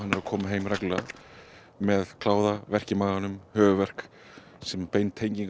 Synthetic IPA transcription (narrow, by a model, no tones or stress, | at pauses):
anːɪɾakʰɔːmaɦejmrakla | mɛðkʰlaːwðavɛr̥cɪmaːɣanʏmhœːɣʏvɛr̥k | sɛmpejnt̪ʰejɲciŋk